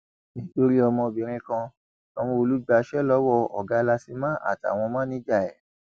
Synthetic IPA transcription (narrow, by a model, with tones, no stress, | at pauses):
nĩ˦to˧ɾi˦ɔ˧mɔ̃˧˨bĩ˨ɾ̃ĩ˧kã˧ | tɔ˧mɔ̃˧o˧lu˦ɡ͡ba˧ʃɛ˦lɔ˦wɔ˦˧˨ɔ̰˨ɡa˨˦la˧si˧mã˦a̰˦˨ta̰˨w̃ɔ̃˧mã˦nĩ˦d͡ʒa˦˨ɛ˨